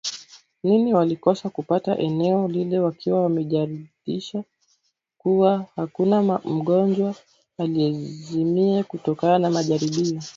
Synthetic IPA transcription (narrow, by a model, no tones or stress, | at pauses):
niniwalikɔsakupata̰ʔɛnɛɔlilɛwakʰiwawamɛʄaɾiɗiʃa | kuwahakunam̩ɠɔnd͡ʒwa | aliɛzimiakutɔkananamaʄaɾiɓiɔ